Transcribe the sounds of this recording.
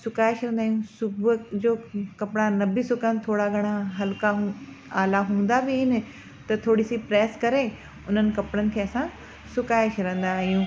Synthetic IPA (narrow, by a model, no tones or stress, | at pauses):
sʊkaːɪʃɾə̃nd̪aːɦjũsʊbd͡ʒoːkɐpɽ̃anɐbisʊkənt̪ʰoːɽaɡʱɐɽ̃aɦɐlkaɦ | aːlaɦũːn̆d̪abiɪnɪ̆ | t̪ɐt̪ʰoːɽisipɾɛːskɐɾe | ʊn̤ənɪ̆kɐpɽənɪ̆kʰeːɐsã | sʊkaːeʃɾə̃ːn̆d̪aːɦijũː